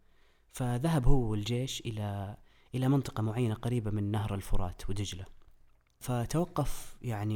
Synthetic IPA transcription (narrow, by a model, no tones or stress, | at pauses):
faðaɦabhʊwːɪld͡ʒeːʃʔɪla | ʔɪlamɪnt̪ˤɨ̥qɑmʊʕajːanaqɑɾiːbamɪnːaɦhɾˤɪlfʊɾˤɑ̰ːt̪wɪd̪ɪd͡ʒla | fat̪awɑqːɑfjaʕni